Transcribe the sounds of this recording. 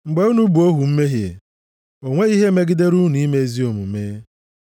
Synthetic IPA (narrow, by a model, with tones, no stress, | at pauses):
ŋ͡m̩˨ɡ͡be˦u˦nu˦bu˨o˦ɦu˨m̩˦me˦ɦjḛ˨ | o˨ŋʷe˦i˦ɦe˦me˦ɡɪ˦de˦ɾu˦ni˦me˦zi˦o˨mṵ˨me˦